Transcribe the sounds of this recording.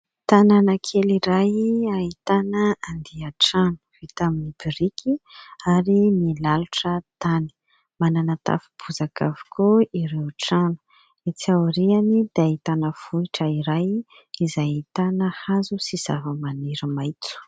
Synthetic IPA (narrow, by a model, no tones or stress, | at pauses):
t̪ananakʰeliɾajait̪anəand̪iaʈ͡ʂanu̥v̥it̪aminibiɾikʰiaɾimilaluʈ͡ʂət̪ani̥ | mananat̪a̰fib̥uzaka̰vi̥kʰuiɾewʈ͡ʂanu̥ | et͡siawɾianid̪̥eait̪anəv̥uiʈ͡ʂəiɾaj | izajit̪anəhazusiz̥avəmaniɾəmajt͡su̥